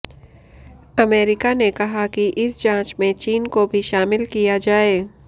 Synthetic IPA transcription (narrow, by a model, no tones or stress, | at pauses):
ɐmeːɾɪkanekɐɦakiʔɪsd͡ʒãːt͡ʃmẽt͡ʃiːnkobʱiʃaːmɪlkijad͡ʒaːeː